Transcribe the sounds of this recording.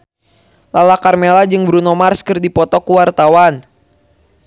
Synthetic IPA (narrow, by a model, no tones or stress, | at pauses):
lalakarmelad͡ʒɨŋbɾunɔmarskɨrdipɔt̪ɔkuwart̪awan